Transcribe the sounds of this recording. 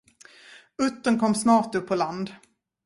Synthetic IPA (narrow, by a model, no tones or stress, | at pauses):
ɵt̪ːənkʰɔmːsnɑːʁt̪ɵpʰːɔland̪